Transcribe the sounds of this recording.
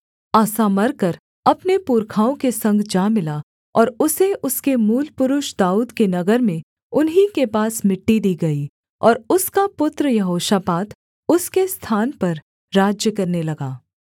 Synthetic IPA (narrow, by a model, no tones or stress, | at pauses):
aːsamɐɾkɐɾ | ɐpnepuːɾkʰaːõkesɐ̃ŋɡd͡ʒaːmɪla | ɔːɾʊseʔʊskemuːlpʊɾʊʃd̪aːuːd̪kenɐɡəɾmẽ | ʊnɦĩkepaːsmɪʈːid̪iːɡɐi | ɔ̰ːɾʊskapʊt̪ɾəjɐɦoːʃapaːt̪ | ʊskest̪ʰaːnpɐɾ | ɾaːd͡ʒjəkɐɾnelɐɡaː